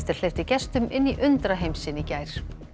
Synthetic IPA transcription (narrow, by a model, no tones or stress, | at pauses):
t̪ɪɾ̥l̥eft̪ɪcɛst̪ʏmʔɪnːiʔʏnt̪ɾaɦejmsɪnɪcaːjɾ̥